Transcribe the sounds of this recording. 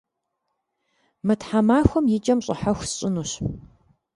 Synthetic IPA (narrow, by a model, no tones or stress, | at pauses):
mɨtħamaːxʷɔmjɪd͡ʒʼɐmɕʼɐ̰ħaxʷsɕʼɪnuɕ